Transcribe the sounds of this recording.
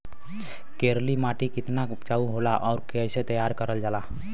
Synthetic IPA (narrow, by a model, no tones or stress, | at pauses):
keːɾlimaːʈikɪt̪naʊpt͡ʃaːuɦoːlaʔɔːɾkɛset̪əjaːɾkəɾəld͡ʒaːlaː